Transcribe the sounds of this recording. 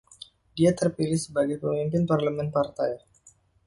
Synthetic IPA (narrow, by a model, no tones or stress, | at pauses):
diat̪ərpilɪhsəbaɡajpəmimpɪnparləmɛnpart̪aj